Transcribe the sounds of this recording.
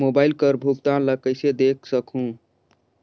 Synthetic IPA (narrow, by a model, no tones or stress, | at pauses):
mobaɪlkəɾbʱuk̚t̪ãləkəɪsed̪ek̚ʰsəkɦũ